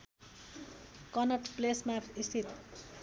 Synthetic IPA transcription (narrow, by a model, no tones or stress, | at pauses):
kʌnʌʈplesmapist̪ʰit̪